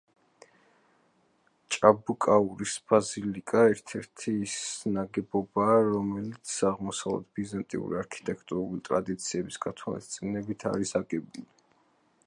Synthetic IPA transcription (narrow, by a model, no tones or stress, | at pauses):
t͡ʃʼabukʼauɾisb̥azilikʼaɛɾt̪ʰɛɾt̪ʰisnaɡɛbɔbaːɾɔmɛlit̪sʰaʁmɔsavlɛ̰t̪̚ʰbizant̪ʼḭṵɾḭaɾkʰi̥t̪ʼɛkʰt̪ʼuɾulit̪ʼɾa̰d̪it̪sʰiɛbisɡ̥at̪ʰwa̰lḭst̪sʼinɛbit̪ʰa̰ɾisaɡɛbuli